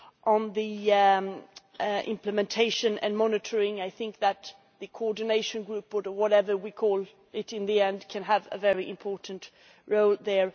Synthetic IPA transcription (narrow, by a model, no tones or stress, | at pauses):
ʔə̃nði | ʔɪ̰̃mplɨmɨ̃ntʰeɪʃɨ̃nɨ̰̃nmɑnɨɾʰə˞ɪ̃ŋaɪθɪ̃ŋk̚ðət̪ | ðɨkʰoɔɹdⁿneɪʃɨ̃nɡɹʉpʊɾə˞wʌɾɛvə˞wikʰɔlˠ | ɪɾɨ̃nðiɛ̃ndkʰɨ̃nəvə̰vɛɹiʔɨ̃mpʰɔɹʔn̩t | ɹoʊlˠðə˞